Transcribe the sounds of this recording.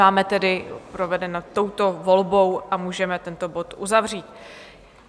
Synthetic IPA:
aːmɛt̪ɛdɪpɾo̞vɛdɛnat̪ːo̞wt̪o̞vo̞lbo̞wʔamuːʒɛmɛt̪ɛnt̪o̞bo̞t̪ʔuzavr̝iːt̪

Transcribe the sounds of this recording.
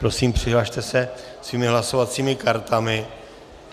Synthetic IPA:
pɾo̞siːmpr̥ɪɦlaʃt̪ɛsɛsviːmɪɦlaso̞vat͡siːmɪkaɾt̪amɪ

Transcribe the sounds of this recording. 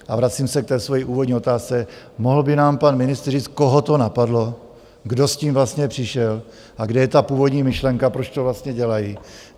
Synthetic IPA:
ʔavɾat͡siːmsɛk̚t̪ɛːsvojiʔuːvodɲiːo̞t̪aːst͡sɛ | moɦl̩bɪnaːmpanmɪnɪst̪rriːt͡skoɦo̞t̪o̞napadlo̞ | ɡdo̞sciːmvlast̪ɲɛpr̝̥ɪʃɛl | ʔaɡdɛjɛt̪apuːvo̞dɲiːmɪʃlɛŋkapɾo̞t͡ʃt̪o̞vlast̪ɲɛɟɛlaji

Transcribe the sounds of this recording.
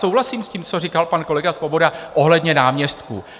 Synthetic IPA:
sowɦlasiːmsciːmt͡sorikalpanko̞lɛɡasvo̞bo̞daʔo̞ɦlɛdɲɛnaːmɲɛst̪kṵ

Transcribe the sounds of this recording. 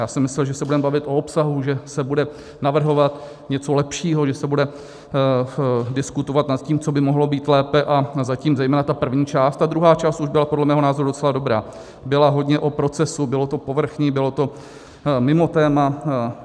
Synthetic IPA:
jaːsɛmɪslɛlʒɛsɛbudɛmbavɪt̪ʔo̞opsaɦuʒɛsɛbudɛ | navr̩ɦo̞vat̪ | ɲɛt͡solɛpʃiːɦoʒɛsɛbudɛ | dɪskut̪ovat̪nat̪ciːmt͡so̞bɪmoɦlo̞biːt̪lɛːpɛʔazaciːmzɛjmɛːnat̪apr̩vɲiːt͡ʃaːst̪t̪ad̪ɾuɦaːt͡ʃaːst̪ʔuʒbɪlapodlɛmɛːɦo̞naːzoɾudo̞t͡sɛlado̞bɾaː | bɪlaɦo̞dɲɛʔopɾo̞t͡sɛsubɪlo̞t̪o̞po̞vr̩xɲiːbɪlo̞t̪o̞ | mɪmo̞t̪ɛːma

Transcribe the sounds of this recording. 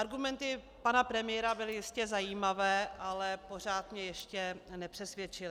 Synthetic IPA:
aɾɡumɛnt̪ɪ | panapɾɛmɪjɛɾabɪlɪjɪscɛzajiːmavɛːʔalɛpo̞r̝aːt̪mɲɛjɛʃcɛnɛpr̥ɛsvjɛt͡ʃɪlɪ

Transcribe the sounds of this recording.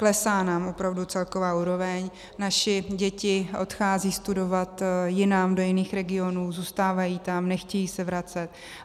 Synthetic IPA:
klɛsaːnaːmʔo̞pɾavdut͡sɛlko̞vaːuːɾo̞vɛɲ | naʃɪɟɛcɪʔo̞̰t̪xaːziːst̪udo̞vat̪jɪnamdo̞jɪniːxɾɛɡɪo̞nuːzuːst̪aːvajiːt̪amnɛxcɛjiːsɛvɾat͡sɛt̪

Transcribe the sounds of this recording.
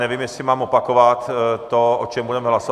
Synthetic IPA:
nɛviːmjɛsɪmaːmopakovat̪t̪oot͡ʃɛmbudɛmɛɦlaso

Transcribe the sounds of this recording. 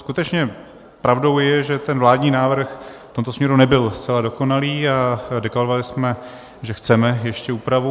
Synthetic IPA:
skut̪ɛt͡ʃɲɛ | pɾavdo̞wjɛʒɛt̪ɛnvlaːdɲiːnaːvr̩xft̪o̞mt̪osmɲɛɾunɛbɪlst̪t͡sɛlado̞ko̞naliːadɛklaɾovalɪsmɛ | ʒɛxt͡sɛmɛjɛʃcɛuːpɾavu

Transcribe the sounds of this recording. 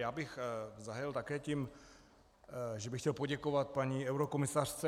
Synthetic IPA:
jaːbɪxzaɦɛlt̪akɛːciːm | ʒɛbɪxcɛlpoɟɛkovat̪̚paɲiɛwɾokomɪsar̥t͡sɛ

